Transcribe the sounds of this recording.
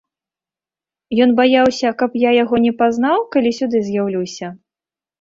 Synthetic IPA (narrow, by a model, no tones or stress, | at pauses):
jɔnbajawsʲɐkɐpjajaɣɔnʲɛpaznawkalʲisʲud̪ɨzʲjawlʲiwsʲɐ